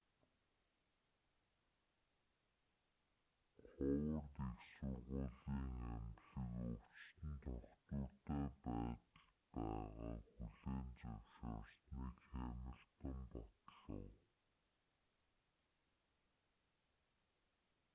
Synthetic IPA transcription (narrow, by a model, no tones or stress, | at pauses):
χʊwə̆qt̪eksə̆ŋʁʊɮiːŋæmɮə̆ŋʊt͡ɕt̪ɘ̆nt̪ʰɔχt̪ʊːt̪æːpæːt̪ə̥̆ɮpæːʁa̰ːxuɮeːnt͡sawʃast̪wit͡ɕæmə̆ɮpə̆mpɔt̪ɮə̰̆w